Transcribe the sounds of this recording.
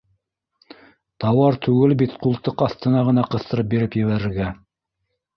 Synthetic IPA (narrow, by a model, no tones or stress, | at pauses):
t̪ɑwɑɾt̪ʉɡɘlbit̪qulˠt̪ɤqɑθt̪ɤ̆nɑʁɤ̆nɑqɤ̆θt̪ɤ̆ɾɤp̚biɾɘpjɘ̆βæɾɘ̆ɾɡæ